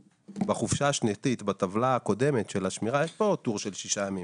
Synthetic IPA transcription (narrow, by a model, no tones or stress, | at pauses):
baχufʃaːʃnet̪it̪bat̪avlaako̞de̞me̞t̪ʃe̞laʃmiʁajeʃpo̞t̪uʁʃe̞lʃiʃajamim